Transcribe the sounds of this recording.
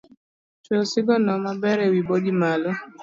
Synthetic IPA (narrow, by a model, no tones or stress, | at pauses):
t͡ʃosɪɡɔnɔmabɛɾɛwiboɡimalɔ